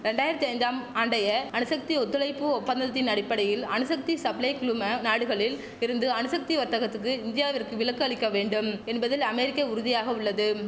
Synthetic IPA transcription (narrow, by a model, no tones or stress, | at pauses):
ɾɛɳɖaːjɪɾɐt̪ːiɐɪɲd̪aːmaːɳɖɐjɐɐnɯsɐk̚t̪iɔt̪ːɯlɐɪpːɯɔpːɐnd̪ɐt̪ːɪnɐɽɪpːɐɽɐjɪlɐnɯsɐk̚t̪isɐblɐɪkɪɭɯmɐnaːɽɯɣɐɭɪl | ɪɾɯnd̪ɯɐnɯsɐk̚t̪iʋɐɾt̪ːɐɣɐt̪ːɯk̬ːɯɪnd̪ɪjaːʋɐrkɯʋɪɭɐkːɯɐɭɪkːɐʋeːɳɖɯmɛnbɐðɪlɐmɛɾɪkːɐʊɾʊðɪjaːɣɐʊɭːɐðɯ